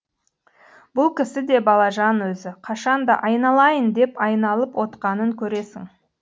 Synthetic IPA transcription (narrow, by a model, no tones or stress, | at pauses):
bʊlˠkʲʰɪsɪd̪e̞bɑlˠɑʒɑnwɵzɪqʰɑʃɑnd̪ɑʔɑjnɑlˠɑjənd̪e̞pɑjnɑlˠəpwo̞t̪qɑnəŋkʲʰɵɾe̞sɪ̰ŋ